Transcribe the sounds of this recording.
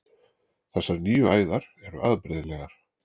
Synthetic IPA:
θɛsːaɾnyːʏaːjðaɾ̥ɛɾʏ̰ʔaðpɾɪðlɛɣaɾ̥

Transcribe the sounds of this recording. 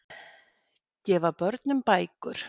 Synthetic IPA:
cɛːvapœɾt̪nʏmpaːjkʏɾ̥

